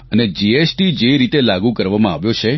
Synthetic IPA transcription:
əned͡ʒiesʈid͡ʒeɾit̪elaɡũkəɾʋamãaʋjot͡ʃʰe

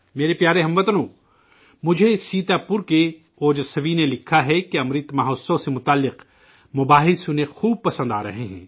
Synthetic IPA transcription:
meːɾepjaːɾeɦɐmʋɐt̪nõː | mʊd͡ʒʱesiːt̪apuɾke | oːd͡ʒsɐʋinelɪkʰːaɦɛkeɐmɾɪt̪mɐɦoːsõsemʊt̪aːlːɪq | mʊbaːɦɪsʊnexuːb̚pɐsə̃nd̪a̰ːɾɐ̰ɦeɦɛ̰̃ː

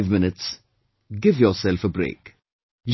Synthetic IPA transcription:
vmɪnɪts | ɡɪvjɔsɛlfəbɾḛːk | j

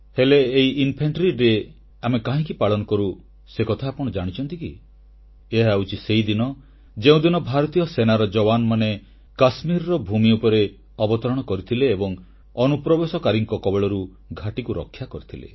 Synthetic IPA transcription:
heleːiʔinpʰeɳʈɾiɾe | amekaɦĩkipaɭɔnɔkɔɾu | sekɔt̪ʰaːpɔɽ̃ɔd͡ʒaɽ̃it͡ʃʰɔnt̪iki | eɦaut͡ʃʰiseid̪inɔ | d͡ʒeũd̪inɔbʱaɾɔt̪ijɔsenaɾɔd͡ʒɔbanɔmane | kasmiɾɔɾɔbʱumiupɔɾe | ɔbɔt̪ɔɾɔɽ̃ɔkɔɾit̪ʰileːbɔŋ | ɔnupɾɔbesɔkaɾiŋkɔkɔbeɭɔɾu | ɡʱaʈikuɾɔ̰kʰːjakɔɾit̪ʰilḛ

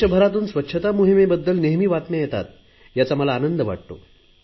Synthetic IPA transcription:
əbʱəɾat̪̬uːnsʋətːɕʰət̪amuɦimebəd̪ːəlneɦmiːʋat̪mejɛt̪a̰t̪ | jat͡saməlaːnənd̪əʋa̰ʈ̚t̪o̰

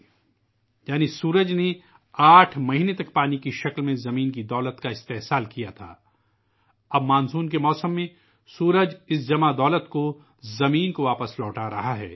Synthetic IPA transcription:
jaːnisuːɾəd͡ʒne | aːʈʰmɐɦinet̪ɐk̚paːnikiʃɐklmẽzɐmiːnkid̪ɔːlət̪kaɪst̪eːɦsaːlkijat̪ʰa̰ː | ɐbmaːnsuːnkemɔːsəmːẽ | suːɾəd͡ʒɪs̬d͡ʒɐmad̪ɔːlət̪ko | zɐmiːnkoʋaːpəslɔːʈaɾɐ̰ɦaɦɛ̰ː

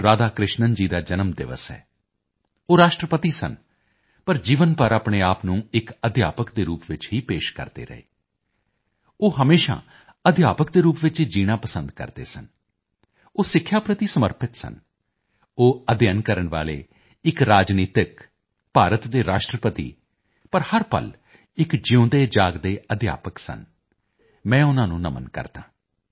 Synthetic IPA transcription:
ɾaːd̪aːkɾɪʃnənd͡ʒiːd̪aːd͡ʒənəmd̪ɪ̰ʋə̰sɦɛ̰ː | oːɾaːʃʈɾəpət̪iːsə̰n | pəɾd͡ʒiːʋənpəɾapɳ̃eːaːpnũːɪkəd̪ʱja̰ːpəkd̪eːɾuːpʋɪt͡ʃɦiːpeːʃkə̰ɾd̪ḛːɾə̰ḛː | oːɦəmeːʃa̰ː | əd̪ʱja̰ːpəkd̪eːɾuːpʋɪt͡ʃiːd͡ʒiːɽ̃aːpəsə̃nd̪kə̰ɾd̪ḛːsən | oːsɪkʰːjaːpɾət̪iːsəməɾpɪt̪sə̰n | oːəd̪jənkəɾəɳʋa̰ːlḛː | ɪkɾaːd͡ʒniːt̪ɪk | paːɾət̪d̪eːɾaːʃʈɾəpət̪ḭː | pəɾhəɾpə̰l | ɪkd͡ʒɪõːd̪eːd͡ʒaːɡd̪eːəd̪ʱja̰ːpəksə̰n | mɛ̃ːʊnãːnũːnəmə̰nkə̰ɾd̪ãː

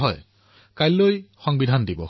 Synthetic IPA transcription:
ɦɔj | kajllojxɔŋbidʱandibɔ̰

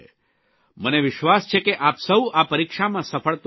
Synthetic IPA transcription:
məneʋɪʃʋast͡ʃʰekeʔapsəuʔapəɾikʂamãsəpʰəɭt̪

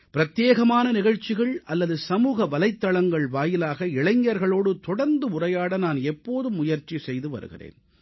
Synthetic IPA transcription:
pɪɾɐt̪jeːɣɐmaːnɐnɪɣɐɻt͡ʃːɪɣɐɭʔɐlːɐðɯsɐmuːɣɐʋɐlɐɪt̪ːɐɭɐŋɡɐɭʋaːjɪlaːɣɐɪɭɐɲːɐɾɣɐɭoːɽɯt̪ɔɽɐɾnd̪ɯʊrɐjaːɽɐnaːnɛpːoːðɯmːʊjɐɾt͡ʃisɛjðɯʋɐ̰ɾɯ̰ɣɪ̰rḛːn

